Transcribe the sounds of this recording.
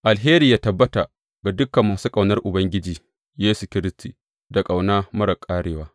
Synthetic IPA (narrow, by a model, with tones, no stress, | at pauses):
ʔa˨lɦeː˦ɾiː˨jaː˦tɐ˨bːɐ˦ta˨ | ɡa˨dʊ˦kːɐ˨mːaː˨suː˦kʼa˨wnɐ˦rʔʊ˨bɐ˦ŋɡʲɪ˦d͡ʒiː˨ | jeː˦su˨kʲɪ˦ɾɪ˦stiː˨ | da˨kʼa˨wnaː˦mɐ˦ɾɐ˨kʼaː˦ɽeː˨˦waː˦